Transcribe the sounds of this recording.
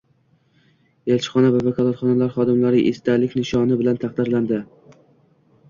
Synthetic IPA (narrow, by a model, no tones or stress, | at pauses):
elt͡ʃʰɪ̥χɒnavavakʰɒlˠat̪χɒnalaɾχɒd̪ɪmlaɾɪʔest̪alɪkʲnɪʃɒnɪbɪlant̪ʰɑχqd̪ɪɾland̪ɪ